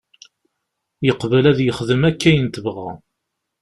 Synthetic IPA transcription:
jəqvəlæðjəχðəmækːæjənt̪əvʁæ̰

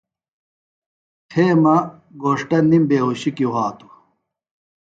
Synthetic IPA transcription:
tʰeːmɐ | ɡoːʂʈɐnːimbeːɦuɕikiwaːt̪u̥

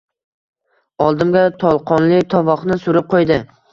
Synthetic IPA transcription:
ɒlˠd̪ɪmɡʲat̪ʰɒlˠqʰɒnlɪt̪ʰɒvɒχnɪsʊɾɪp̚qʰojd̪ɪ

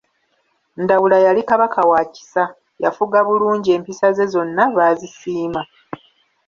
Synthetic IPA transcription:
ndawulajalikaβakʰawaːci̥sa | jafuɡaβuluːɲɟie̞ːmpisaze̞zo̞nːaβaːzisiːma

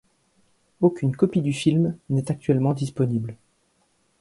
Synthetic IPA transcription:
okʲynkɔpid̪yfilmnɛt̪ak̚t̪ɥɛlmɑ̃d̪ispɔnibl

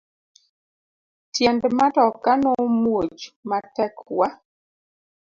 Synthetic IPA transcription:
tjɛndmatɔkanomwod͡ʒmatɛkwa

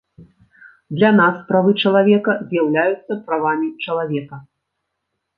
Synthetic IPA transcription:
d̪lʲanaspɾavɨt͡ʂɐlˠavʲɛkɐzʲjawlʲajut̪sːɐpɾavamʲit͡ʂɐlˠavʲɛkɐ

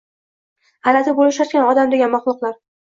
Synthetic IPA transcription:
halat̪ʰɪbolɪʃat̪̚kʲanɒd̪amd̪eɡʲanmaχlˠʊqlˠaɾ

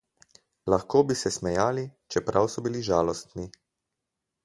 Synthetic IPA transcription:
laxkoːbisɛsmɛjaːlit͡ʃɛpɾʔawsɔbiliʒaːlɔst̪ni

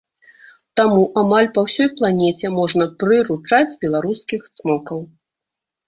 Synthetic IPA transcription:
t̪amuʔamalʲpawsʲɔjplˠanʲɛt͡sʲɛmɔʐnɐpɾɨɾut͡ʂad͡zʲbʲɛlˠaɾuskʲixt̪smɔkɐw

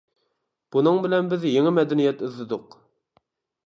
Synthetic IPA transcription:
b̥unɨŋbɪlɛnbɪzjeŋɪmɛd̪ɛnijɛt̪yzːɪd̪ʊq

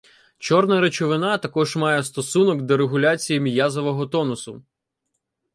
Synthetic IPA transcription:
t͡ʃɔrnɐɾet͡ʃɔʋɪnɑt̪ɐkɔʒmɑjɛst̪ɔsunɔɡd̪eɾeɦʊlʲat͡sʲijimʲjazɔʋɔɦɔt̪ɔnʊsʊ

